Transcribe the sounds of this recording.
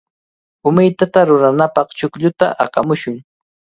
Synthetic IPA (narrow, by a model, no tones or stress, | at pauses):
ʊmajt̪at̪aɾʊɾanapɑχt͡ʃʊkʎʊt̪a̰ʔɑqɑmʊʃʊŋ